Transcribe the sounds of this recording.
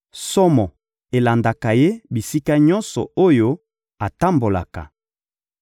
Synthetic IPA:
sɔ˦mɔ˨ | e˨la˨nda˨ka˨je˦bi˨si˦ka˦ɲɔ˦nsɔ˨o˦jo˦ | a˨ta˦mbo˨la̰˨ka̰˨

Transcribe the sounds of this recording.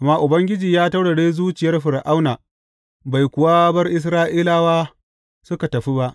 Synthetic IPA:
ʔʔa˨mːaː˦ʔʊ˨bɐ˦ŋɡʲɪ˦d͡ʒiː˨jaː˦ta˦wɽa˨ɽeː˦zuː˦t͡ʃɪ˨jɐ˦rɸɪ˨ɾʔa˦wnaː˨ | ba˨jkʷʊ˨waː˦bɐ˦rʔɪ˦s̬ɾaː˦ʔiː˦laː˦waː˦ | sʊ˦ka˨tɐ˨ɸi˦ba˦ʔ

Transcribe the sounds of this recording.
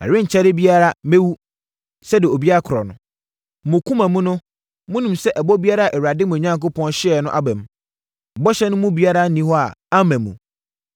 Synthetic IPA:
a̰˨ɾɪ̃˦ɲ̩˨t͡ɕʰɛ˦ɾɪ˦bi˦a˦ɾa˦me˦wu˦ | sɛ˦dɪ˨o˨bi˦a˦a˦kʰʊ˨ɾɔ˨nʊ̰̃˨ | mʊ̃˨kʰũ˦mã˨mũ˦nʊ̃˦ | mʊ̃˦nũ˨msɛ˦ʔɛ˨bɔ˦bi˦a˦ɾa˦˨ʔɛ˨wa˨dɪ˦mũ˨ɲã˦ŋko˦pʰɔ̃˦nɕɪ˦ɛ˨nʊ̃˦ʔa˦bæ̃˨m̩˨ | bɔ˦ɕɛ˦nʊ̃˦mʊ̃˦bi˦a˦ɾa˦nĩ˦hɔ˦a̰˨a˦mæ̃˨mṵ̃˨

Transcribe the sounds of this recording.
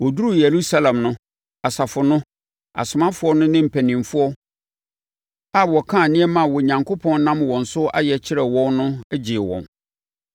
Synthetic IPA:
wɔ˨du˦ɾu˦˨je˨ɾu˦sa˦lã˨mnʊ̃˦ | a˨sa˨fʊ˨nʊ̃˦ | a̰˨sʊ˨mã˦fʊ˨˦ɔ˦nʊ̃˦nɪ̃˦m̩˨pʰæ˨nĩ˨mfʊ˦ɔ˦ | a˦˨wɔ˨kʰã˦˨nɪ̃˦ɛ˦mã˨wɔ˨ɲã˨ŋkʰo˦pʰɔ̃˦n˦nã˦mwɔ̃˨n̩˨sʊ˦a̰˦jɛ˨t͡ɕʰɪ˦ɾɛ˨wɔ̃˦nnʊ̃˦æ˦d͡ʑɪ˨wɔ̰̃˨n

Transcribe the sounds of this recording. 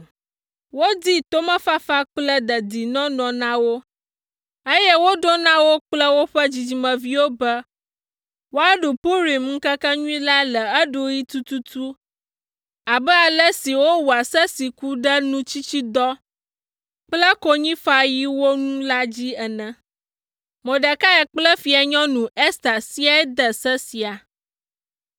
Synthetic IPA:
wo˦d̪i˦t̪o˦mə̃˦fa˦fa˦k͡plə˦d̪ə˨d̪i˨nɔ̃˦nɔ̃˨nã˦wo˦ | ə˦jɛ˦wo˦ɖo˦nã˦wo˦k͡plə˦wo˦ɸə˦d͡ʑi˨d͡ʑi˨mə̃˨vi˦wo˦bə˦ | wo˦a˦ɖo˨po˦ɾi˨mŋ̩˦kə˦kə˦ɲũ˦ĩ˦la˦lə˨ə˦ɖo˨ji˦t̪u˦t̪u˦t̪u˦ | a˨bɛ˦a˨lə˦si˨wo˦wu˨a˨sə˦si˨ku˦ɖə˦nũ˦t͡ɕi˦t͡ɕi˦d̪ɔ˦ | k͡plə˦kɔ˦ɲĩ˦fa˨ji˦wo˦nũ˦la˦d͡ʑi˦ɛ˨nɛ̃˨ | mɔ̃˨ɖə˨ka˦ɛ˨k͡plə˦fi˨a˨ɲɔ̃˦nũ˨ɛ˦st̪a˨si˦a˦d̪ə˨sə˦si˨a˨

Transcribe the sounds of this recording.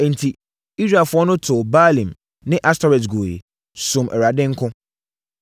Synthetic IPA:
ɛ˨n̩˨tʰi˨ | i˦sɾa˨fʊ˦ɔ˦nʊ̃˦tʰʊ˨baː˦lĩ˨m | nɪ̃˦ʔa˦stɔ˦ɾɛ˨t̬ɡo˨jḛ˨ | sʊ̃˨mʔɛ˨ɾa˨dɪ̃˦ŋ̩˦kʰʊ̃˦

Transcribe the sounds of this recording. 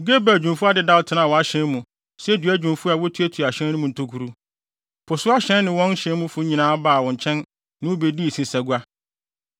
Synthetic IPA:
ɡe˦ba˨d͡ʑᶣũ˨mfu˦a˦dɪ˦da˦wtʰɪ˨nã˦˨wɔ̃˨a˦ɕɛ̃˦n˦mũ˨ | sɛ˦dɥæ˦d͡ʑᶣũ˨mfu˦a˨wɔ˦tʰu˦æ˦tʰu˨a˨ɕɛ̃˦nʊ̃˦mũ˨n̩˨tʰo˦kʰu˨ɾu˦ | pʰɔ˨sʊ˦a˦ɕɛ̃˦n˦nɪ̃˨wɔ̃˦n˦ɕɛ̃˦nmʊ̃˦fʊ˦ɲĩ˨nãː˦a˦baː˦˨wɔ̃˨ɲ˨t͡ɕʰɛ̃˦n | nɪ̃˦wʊ˦be˨di˦i˨sĩ˨sæ˨ɡu˦a˦

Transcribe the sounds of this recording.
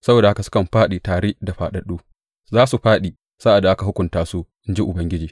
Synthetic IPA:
sɐ˦boː˨da˨ha˦ka˨sʊ̥˦kɐ˨mɸaː˦ɗiː˨taː˨ɾeː˦da˨ɸaː˨ɗɐ˨ɗuː˦ | zaː˦su˨ɸaː˦ɗiː˨ | sa˦ʔa˨dːa˨ʔa˦ka˨ɦʊ˦kʷʊ˨ntaː˦su˦ʔɪ˦nd͡ʒi˦ʔʊ˨bɐ˦ŋɡʲɪ˦d͡ʒiː˨

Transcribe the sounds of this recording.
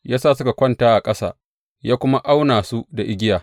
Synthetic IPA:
jaː˦saː˦˨sʊ˦ka˨kʷɐ˦ntaː˦ʔa˨kʼɐ˦sa̰ː˨ | jaː˦kʷʊ˦ma˦ʔa˦wnaː˨su˦da˨ʔɪ˦ɡʲɪ˦jaː˨

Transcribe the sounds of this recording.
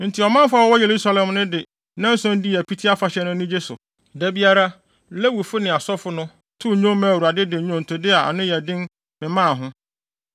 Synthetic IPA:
n̩˨tʰi˨ɔ˨mã˦mfa˦wɔ˦wɔ˦je˨ɾu˦sa˦lɛ̃˨mnʊ̃˦dɪ˨ | nã˦n̩˦sʊ̃˦n̩˦di˦æ˨pʰi˦tʰi˦a˦fa˨ɕɛ˦nʊ̃˦nĩ˦d͡ʑe˦sʊ̰˨ | dæ˦bi˦a˦ɾa˦ | le˦wu˨fʊ˦nɪ̃˨a˨sɔ˦fʊ˦nʊ̃˦ | tʰʊ˦ɲʊ̃˦mã˦˨wu˨ɾa˨dɪ˦dɪ˨ɲʊ̃˦n̩˨tʰʊ˨dɪ˦a˨a̰˨nɪ̃˦jɛ˨dɪ̃˦n | mɪ̃˨mã˦˨ɦʊ̃˦

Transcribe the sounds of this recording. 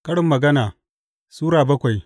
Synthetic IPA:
kɐ˦ɽɪ˨mːɐ˨ɡɐ˦naː˨ | suː˦ɾaː˨bɐ˦kʷa˨j

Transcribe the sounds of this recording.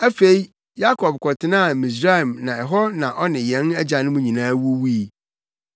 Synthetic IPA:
æ˦fe˨i˦ | ja˦kʰɔ˨b̚kʰɔ˨tʰɪ˦nã˦˨mĩ˨s̬ɾa˦ɛ˨mnã˨ɛ˨ɦɔ˦nã˨ʔɔ˦nɪ̃˨jɛ̃˨˦næ˦d͡ʑa˨nʊ̃˦mʊ̃˦ɲĩ˨nãː˦wu˦wi˦˨

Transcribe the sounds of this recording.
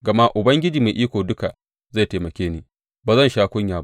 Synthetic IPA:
ɡɐ˨ma˦ʔʊ˨bɐ˦ŋɡʲɪ˦d͡ʒiː˨maː˨jʔiː˦kʷoː˨dʊ˦ka˨ | za˦˨te˨mɐ˨kʲeː˦niː˦ | baː˨zɐ˦˨nʃaː˦kʷʊ˦ɲjaː˨ba˦ʔ

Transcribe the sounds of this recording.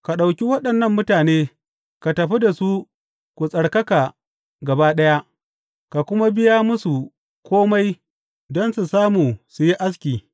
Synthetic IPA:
ka˨ɗa˨wkʲi˦wɐ˦ɗɐ˨nːɐ˦˨mːʊ˦taː˨neː˦ | ka˨tɐ˨ɸi˦da˨su˦ | kʷu˨sʼɐ˨ɽkɐ˦ka˨ | ɡɐ˨baː˦ɗɐ˦ja˦ʔ | ka˨kʷʊ˦ma˦bɪ˦ja˦mʊ˦su˨ | kʰʷoː˦ma˦j | dɔ˦nsu˨saː˦muː˨su˨ji˦ʔa˦s̬kʲiː˨

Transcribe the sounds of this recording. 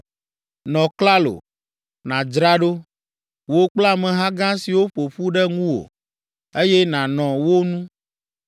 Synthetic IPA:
nɔ̃˨kla˦lo̰˨ | nã˨d͡ʒɾa˦ɖo˦ | wo˦k͡pla˦mɛ̃˨ɦã˦ɡã˦si˨wo˦ɸo˨ɸu˦ɖɛ˦ŋũ˦wo̰˨ | e˦jɛ˦nã˨nɔ̃˨wo˦nũ˦

